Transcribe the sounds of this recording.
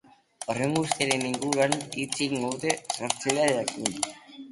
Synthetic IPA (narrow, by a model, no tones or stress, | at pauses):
oreŋɡust̪iaɾeniŋɡuɾuanit͡siŋɡowt̪esosjeðaðeakin